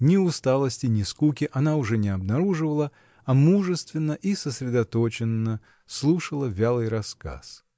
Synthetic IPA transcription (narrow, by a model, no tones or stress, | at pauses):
nʲɪʊst̪alˠəsʲtʲɪnʲɪskukʲɪʔɐnaʊʐɛnʲɪɐbnɐɾuʐɨvəlˠə | ɐmuʐɨst̪vʲɪnːəʔisəsɾʲɪd̪ɐt̪ot͡ɕɪnːə | slˠuʂəlˠəvʲalˠɨjɾɐska̰s